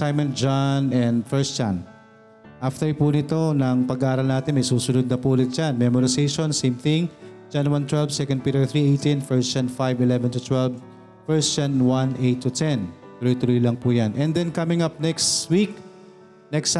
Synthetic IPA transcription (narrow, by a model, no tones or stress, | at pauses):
sajmɐ̃nd͡ʒanɛnd̪fɛɹstt͡ʃan | ʔaft̪ɛɹpunɪt̪o̞nɐŋpɐɡaʔaːɾɐlnaːt̪ɪnmɐjsuːsʊnʊd̪̚nɐpuːlɪt̪̚d͡ʒanmɛmoɾɪsejʃonsejmθɪ̃ŋt͡ʃanwant̪wɛlvsɛkɐnd̪pit̪ɛɹθɹiʔejt̪infɛɹst͡ʃanfajvɪlɛvɛnt̪ut̪wɛlv | fɛɹst͡ʃanwanʔejt̪ːut̪ɛn | t̪ʊɾijt̪ʊɾilɐŋpujanʔɛnd̪ɛnkamɪŋap̚nɛkswik̚ | nɛks